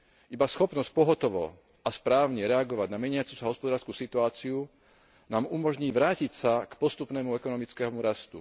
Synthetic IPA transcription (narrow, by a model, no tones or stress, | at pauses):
ʔibasxɔpnɔsc̚pɔɦɔt̪ɔʋɔ̰ | aspɾaːʊɲɛɾɛaɡɔʋaɟnamɛɲɪat͡susaɦɔspɔd̪aːɾskusit̪uaːt͡siu | naːmumɔʒɲiːʋɾaːcicsakpɔst̪upnɛːmuɛkɔnɔmit͡skɛɦɔmuɾast̪ṵ